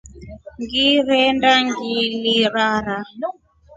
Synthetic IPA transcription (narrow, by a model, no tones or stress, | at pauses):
ŋɡiɾɛndaŋɡiliɾaɾa